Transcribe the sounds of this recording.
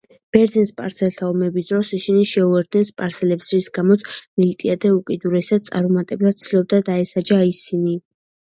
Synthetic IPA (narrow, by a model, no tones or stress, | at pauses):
b̥ɛɾd̪zinspʼaɾsɛlt̪ʰaɔmɛbisd̪ɾɔsisiniʃɛuɛɾd̪nɛnspʼaɾsɛlɛpsɾisɡamɔt̪sʰmilit̪ʼiad̪ɛukʼid̪uɾɛsad̪̚t̪sʼa̰ɾɔmat̪ʼɛblˠad̪̥̚t̪sʰilˠɔb̚d̪ad̪aɛsad͡ʒaisini